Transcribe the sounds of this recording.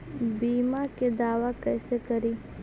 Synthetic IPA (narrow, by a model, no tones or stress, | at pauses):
biːmaked̪aːwakɛːsekɐɾiː